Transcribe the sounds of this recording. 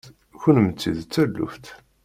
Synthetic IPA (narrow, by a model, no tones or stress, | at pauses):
çʊnəmt͡sːiðt͡sːælːṵft̪